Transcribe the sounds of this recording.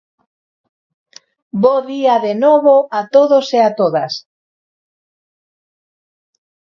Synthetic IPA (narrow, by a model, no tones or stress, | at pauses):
boðiaðenoβoat̪oðoseat̪oðas